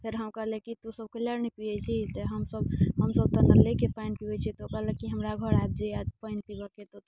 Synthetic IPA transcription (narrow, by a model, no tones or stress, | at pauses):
pʰeɾɦəmkəɦlekit̪usəb̚kələɾnipijɛt͡ʃʰit̪ɔɦəmsəbɦəmsəb̚t̪ənəlekepaɪnpibɛt͡ʃʰit̪okəɦlekiɦəmɾaɡʱəɾajb̚d͡ʒead̪paɪnpibəket̪o